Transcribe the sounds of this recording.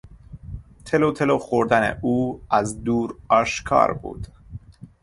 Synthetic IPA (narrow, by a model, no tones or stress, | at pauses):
t̪ʰeloːt̪ʰeloxoɾd̪ænḛuːæzd̪uːɾɒːʃkʰɒ̰ːɾbṵːd̪̥